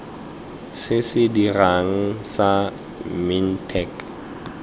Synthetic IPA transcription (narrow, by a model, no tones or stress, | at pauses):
sɪsɪdiraŋ̩sa | min̩tʰɛk